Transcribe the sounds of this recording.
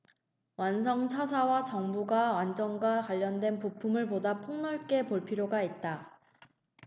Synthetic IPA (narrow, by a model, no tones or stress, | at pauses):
wans̬ʰʌŋt͡ɕʰasʰawat͡ɕʌŋbuɡawand͡ʑʌŋɡwakwaʎːʌndwe̞npupʰumɯɭpodapʰoŋnʌɭk͈e̞poɭpʰiɾjoɡait̚t͈a